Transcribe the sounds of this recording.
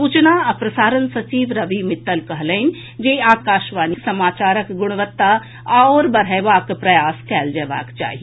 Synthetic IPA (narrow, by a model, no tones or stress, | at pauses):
suːt͡ʃnaɐpɾɐsaːɾənsɐt͡ʃiːʋɾɐʋimɪt̪ːəlkɐɦləɪn | d͡ʒeːaːkaːʃʋaːniksɐmaːt͡ʃaːɾəkɡʊɽ̃ʋət̪ːa | ɔːɾbɐɾɦəjʋaːkpɾɐjaːskɛːld͡ʒeʋa̰ːkt͡ʃa̰ːɦie